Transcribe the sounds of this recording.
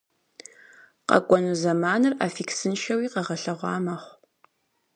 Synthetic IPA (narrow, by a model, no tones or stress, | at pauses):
qɐ̰kʷʼɔnɨzɐmaːnɨra̰ːfiksɨnʃɐwiːqɐʁɐɬɐʁʷɑ̰ːmɐχʷ